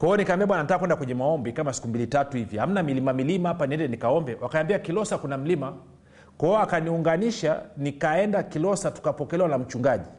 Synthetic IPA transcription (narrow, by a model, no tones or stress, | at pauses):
kwaɛɔnikambiaɓwananitakːakwɛndakwɛɲɛmaɔmbikamasi̥kumbilitatuhiviham̩namilimamilimaapaniɛndɛnikaɔmbɛwʔakaambiakilɔsakunam̩lima | kɔɔakaniuŋɡaniʃanikaɛndakilɔsatu̥kapɔkɛlɛwanam̩t͡ʃuŋɡaʄi